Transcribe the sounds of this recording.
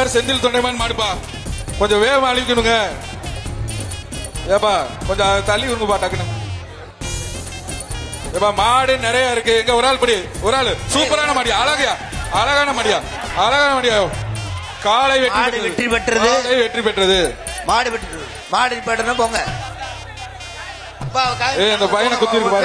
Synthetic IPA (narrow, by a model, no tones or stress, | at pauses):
aːɾsɛnd̪ɪlt̪ɔɳɖɐɪmaːnɯmaːɽɯpːaː | kɔɲd͡ʒɔ̃ʋeːmaːɭɪʋɪkːɯnɯŋɡɐ | eːpːaːkɔɲd͡ʒɔ̃t̪ɐlːiʊɾɯŋɡɯpaːʈːaːkːɐnːɯŋɡɐ | eːpːaːmaːɽɯnɪɾɐjaːɪɾɯkːɯɛŋɡeːɔɾaːɭpɐɽiɔɾaːɭsuːpːɐɾaːnɐmaːɽɪjaɐlɐɣɐjaː | ɐlɐɣaːnɐmaːɽɪjaː | ɐlɐɣaːnɐmaːɽɪjaːjõ | kaːlɐɪʋɛripɐʈɽɐɛðʈripɐʈːɾɐðɯlɐɪʋɛʈripɛʈːɾɐðɯmaːɽɯʋɛʈːɐ | maːɽpɐʈːɾɐnɯ̃poːŋɡɐ | ɐpːaeːɪnd̪ɐpɐjɐnɐkʊt̪ːɪɾɯkːɯpaːɾ